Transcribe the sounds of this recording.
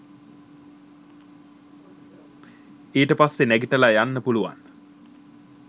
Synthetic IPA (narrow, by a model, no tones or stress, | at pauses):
eːʈəpasːenæɡiʈəlajanːəpuluʋa̰n